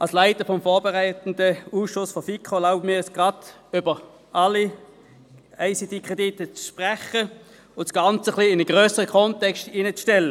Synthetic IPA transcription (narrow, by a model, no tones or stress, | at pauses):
ʔɑlslaɪtəfɔmfɔːɐbɛʁaɪtn̩dəuːsʃʊsfɔfikχolaʊbəmiːʁɛsɡ̥ʁɑdʏbə | ʔɑlːi | aɪsidikʁ̥editət͡sʃpʁɛχə | ʊntsɡ̥ɑnt͡səχliɪnəɡ̥ʁøːsəʁəkʰɔntɛkstinət͡sʃtɛlːə